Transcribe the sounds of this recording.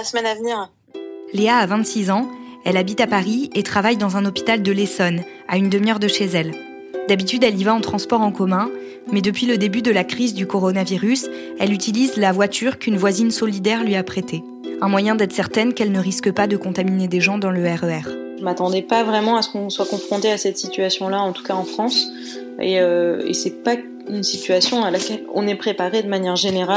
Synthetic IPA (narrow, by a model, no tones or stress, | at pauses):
smɛnavniʁ | leaːvɛ̃t̪sizɑ̃ɛlabit̪apaʁiet̪χavajd̪ɑ̃zɛ̃nɔpi̥t̪ald̪əlesɔn | a̰ynd̪əmjœʁd̪əʃezɛl | d̪abit̪yd̪ɛlivaɑ̃t̪χɑ̃spɔʁɑ̃kɔmɛ̃ | mɛd̪əpɥiləd̪ebyd̪əlakχizd̪ykɔʁɔnaviʁys | ɛlyt̪ilizlavwat̪ʰyʁkynvwazinsɔlid̪ɛʁlɥiapχet̪e | ɛ̃mwajɛ̃d̪ɛt̪χsɛʁt̪ɛnkɛlnəʁiskəpad̪əkɔ̃t̪amined̪eʒɑ̃d̪ɑ̃ləɛʁøɛʁ | ʒəmat̪ɑ̃d̪ɛpavʁɛmɑ̃asə̥kɔ̃swakɔ̃fχɔ̃t̪easɛt̪sit̪ɥasjɔ̃laɑ̃t̪u̥kaɑ̃fχɑ̃s | eøḛsɛpa | ynsit̪ɥasjɔ̃alakʲɛlɔ̰̃nɛpχepaʁed̪əmanjɛʁʒeneʁa